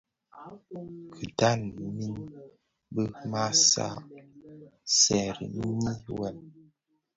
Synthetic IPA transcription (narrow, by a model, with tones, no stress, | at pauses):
kʰə˨da˦˨nmi˦n | bə˦ma˦sa̰˦˨ | sɛ˨ɾḭ˨m˦ɲi˦wɛ˨m